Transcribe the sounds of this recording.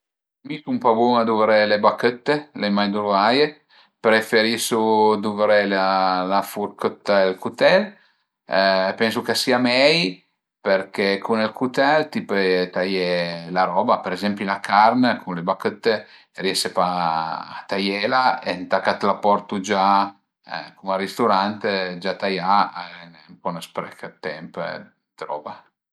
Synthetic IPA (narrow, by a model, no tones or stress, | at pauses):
misumpabunad̪uvɾelebakət̪ːelemajd̪uɾvaje | pɾefeɾisud̪uvɾelalafurkət̪ːaelkut̪ɛl | pɛns̬ukesiːamɛj | perkɛkʰunelkut̪ɛlt̪ipet̪ajɛlaɾɔbapeɾezɛmpilakʰarnəkʰunlebakət̪ːe | rjɛsepa̰ː | t̪ajɛlaent̪akat̪lapɔɾt̪ud͡ʒa̰ | kumarist̪uɾant̪ed͡ʒat̪ajaaɛn | mpɔnəspɾɛ̰kət̪ɛmp | t̪ɾɔ̰ːva